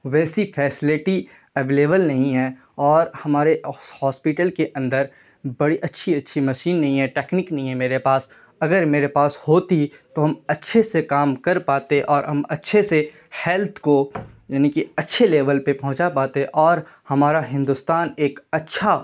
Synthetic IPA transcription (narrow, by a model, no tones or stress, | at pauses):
ʋɛːsifʰɛːsɪlɪʈi | ɛʋeːleːʋəlnɐɦĩɦɛ | ɔːɾhɐmaːɾehɔːspɪʈəlkeʔɐ̃nd̪əɾ | bɐɽiʔɐtːʃʰiɐtːʃʰimɐʃiːnːɐɦĩɦɛʈeːknɪknɐɦĩɦɛmeːɾepaːs | ɐɡəɾmeːɾepaːshoːt̪it̪oɦɐmɐtːʃʰesekaːmkɐɾpaːt̪eɛ̃ʔɔːɾɦɐmɐtːʃʰese | hɛlt̪ʰkojaːnikiɐtːʃʰeleːʋəlpepɐɦʊ̃t͡ʃapaːt̪eɦɛ̃ʔɔːɾ | hɐmaːɾaɦɪ̃nd̪ʊst̪aːneːkɐtːʃʰa